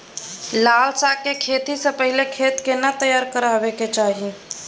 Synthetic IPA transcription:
laːlsakekʰeːt̪isẽpəɦilekʰeːt̪kenat̪əjaːɾkəɾaːbeket͡ʃaːɦi

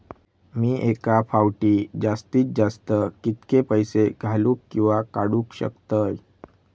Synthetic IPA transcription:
miːʔekafawʈiːd͡ʑast̪iːt͡s̚d͡zast̪əkit̪kepəjseɡʱaluːkːĩw̃ʋakaɽũːkɕə̰kt̪əj

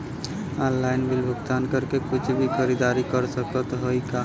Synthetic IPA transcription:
ɔ̃nlaɪnbɪlbʱʊɡt̪aːnkəɾkekʊt͡ʃʰbʱixʰəɾid̪aɾikəɾsəkət̪ɦoikaː

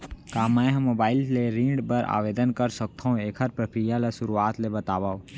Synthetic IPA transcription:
kaːmɛ̃ɦmoːbaːɪlleɾĩːɳɖbəɾʔa̰ːʋeːd̪ənkəɾsək̚t̪ʰaɦũeːkʰɦɐɾpɾəkɾijalasʊɾuaːt̪lebɐt̪aːʋãː

